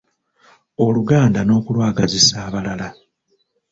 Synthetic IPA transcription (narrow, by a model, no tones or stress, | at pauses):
o̞luɡaːndano̞ːkulwaːɡazisaːβalala